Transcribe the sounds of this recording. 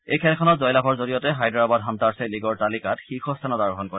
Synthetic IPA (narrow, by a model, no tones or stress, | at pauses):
ejkʰɛlkʰɔnɔtzɔjlabʰɔɹzoɹijɔtɛɦajdɔɹabadɦantaɹsɛliɡɔɹtalikatxixɔstʰanɔtaɹɔɦɔnkɔɹɛ